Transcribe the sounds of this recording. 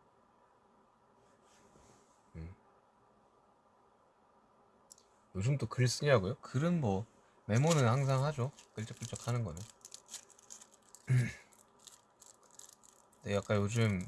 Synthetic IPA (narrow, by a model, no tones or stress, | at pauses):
ɯ | jod͡ʑɯmt͈okɯɭs͈ɯɲɾaɡojokɯɾɯnmʌ | me̞monɯnhaŋs̬ʰaŋhad͡ʑok͈ɯɭt͡ɕ͈ek̚p͈uɭt͡ɕ͈ʌkʰanɯnɡʌne | neak͈ajod͡ʑɯm